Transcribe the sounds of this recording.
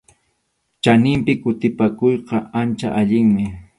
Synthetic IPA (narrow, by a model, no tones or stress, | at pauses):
t͡ʃanɪmpɪkʊt̪ɪpakojqɑant͡ʃa̰ʔaʎɪŋmɪ